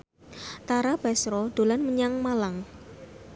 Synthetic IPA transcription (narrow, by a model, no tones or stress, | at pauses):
t̪aɾab̥asɾɔɖ̪̥o̤lanməɲaŋmalaŋ